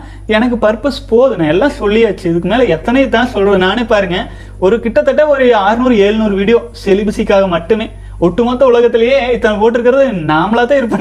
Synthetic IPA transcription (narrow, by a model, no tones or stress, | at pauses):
ɛnɐk̬ːɯpɐɾpɐspoːðɯnãɛlːãːsɔlːɪaːt͡ʃːɯɪðɯkːɯmeːlɐɛt̪ːɐnɐjet̪ãːsɔlrɐðɯnaːnepːaːɾɯŋɡɐ | ɔɾɯkɪʈːɐt̪ːɐʈːɐɔɾɯaːɾɯnuːɾɯeːɻnuːɾɯʋiːɽɪjõːsɛlɪbɪsɪkːaːɣɐmɐʈːɯmeː | ɔʈːɯmoːt̪ːɐʊlɐɣɐt̪ːɪlɐjeːɪt̪ːɐnɐpoːʈːɪɾɯkːɪɾɐðɯnaːmlaːt̪ãːɪɾɯpːɐɳː